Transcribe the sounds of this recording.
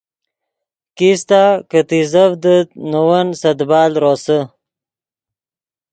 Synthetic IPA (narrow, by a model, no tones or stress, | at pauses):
kist̪akət̪izəfd̪ət̪̚nuwənsɐd̪bɑːlɾosə